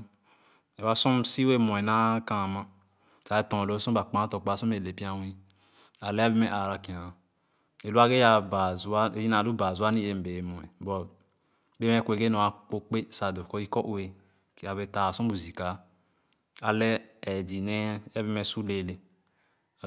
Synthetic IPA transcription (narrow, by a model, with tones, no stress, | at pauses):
e˨wa˦sũ˦msi˦we˦˨mɔ̃˨ɛ˨na˦kã˨ma˦ | ta˨e˦tɔ̃˨o˨˦sũ˦ba˨k͡pã˨˦tɔ˨k͡pa˨˦su˦me˨le˨pi˦a˦wĩ˦ | a˨lɛ˦a˦bi˦mɛ˦˨ʔa˨ɾa˨ki˨ã˨ | e˨lu˦a˦ɡe˦a˦˨ba˨zu˦a˦˨ji˦na˨lu˦ba˨zu˦a˦ni˦e˨m̩˨be˨mɔ̃˨ɛ˨bɔ˨˦ | be˦m˦ɛ˦kʷe˨ɡe˦no˨a˦k͡po˦k͡pe˦sa˨do˨kɔ˦i˦kɔ˦ʔe˨ | ka˨βe˨ta˨sũ˦bu˨zi˨ka˨ | a˨lɛ˦ɛ˨di˨nɛ˦ɛ˦bi˦mɛ˨su˦le˨le˨